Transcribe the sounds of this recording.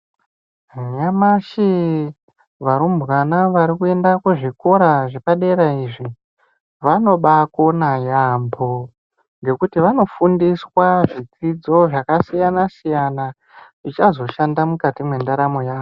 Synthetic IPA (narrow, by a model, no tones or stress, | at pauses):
ɲamaʃi | ʋaɾumbwanaʋaɾikue̞ndakweʐiko̞ɾaʐepaɗe̞ɾaiʐi | ʋano̞ɓako̞najambo̞ | ŋɡe̞kutiʋano̞fundiswaʐid͡zid͡zo̞ʐakasijanasijana | ʐit͡ʃazo̞ʃandamukatimwe̞ndaɾamo̞jaːʋo